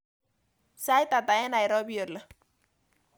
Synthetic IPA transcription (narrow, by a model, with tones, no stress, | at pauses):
sa˦jt̪a˨t̪a˨ɛ˦na˨jɾɔ˦bi˦jo˨la˦